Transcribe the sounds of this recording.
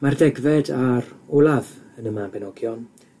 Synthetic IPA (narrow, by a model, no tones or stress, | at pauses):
mardɛɡvɛdaɾʊlˠavənəmabɛnɔɡjɔn